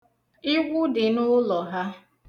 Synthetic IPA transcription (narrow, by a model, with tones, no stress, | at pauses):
i˦ɡʷʊ˦dɪ˨nʊ˦lɔ˨ɦa˦